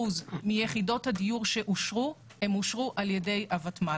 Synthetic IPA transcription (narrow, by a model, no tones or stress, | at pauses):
uzmijeχido̞thadijuʁʃe̞ʔuʃʁu | he̞muʃʁuʔaljede̞jʔavatma